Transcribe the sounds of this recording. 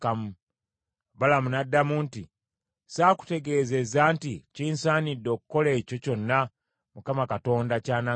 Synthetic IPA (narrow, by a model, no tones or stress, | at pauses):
kamu | balamunadːamunti | saːku̥te̞ɡe̞ːze̞zaːnticiːnsaːnidːo̞ːkukːo̞le̞ːco̞co̞nːa | mukamakato̞ːndacaːna